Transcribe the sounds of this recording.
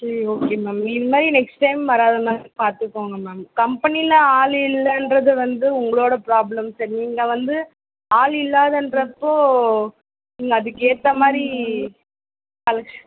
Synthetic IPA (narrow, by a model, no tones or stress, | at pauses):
sɐɾioːkeːmaːmɪðɯmaːd̪ɾinɛksʈɐɪmʋɐɾaːðɐmaːðɾipaːɾt̪ɯkːoːŋɡɐmaːmkɐmpɐnilɐaːɭɪlːɐndɾɐðɯʋɐnd̪ɯʊŋɡɐɭoːɽɐpɾaːblɐmsɐːɾniːŋɡɐʋɐnd̪ɯ | aːlɪlːaːðɐndɾɐpːoː | niːŋɡɐːðɯkːeːt̪ːɐmaːd̪ɾi | ɐlɐ